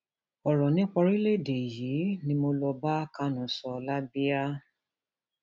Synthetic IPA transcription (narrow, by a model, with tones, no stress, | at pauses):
ɔ˨ɾɔ˨nĩ˦k͡pɔ˧ɾi˦le˦˨de˨ji˨˦nĩ˧mo˧lɔ˧ba˦a˦ka˦nɔ̃˨sɔ˧la˦bi˦a˦